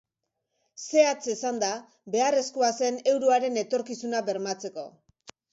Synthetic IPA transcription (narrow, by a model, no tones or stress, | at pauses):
se̞at͡sesand̪a | be̞are̞skoase̞ne̞wɾoaɾe̞ne̞t̪o̞ɾkisunaβe̞ɾmat͡se̞ko̞̰